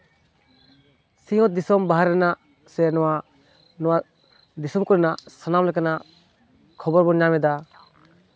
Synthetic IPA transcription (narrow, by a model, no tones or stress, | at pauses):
siŋɔt̪̚d̪isɔmbaɦaɾɛna | senɔwa | nɔwa | d̪isɔmkɔɾɛnasanamlajkana | kʰɔbɔɾbɔɲamɛd̪a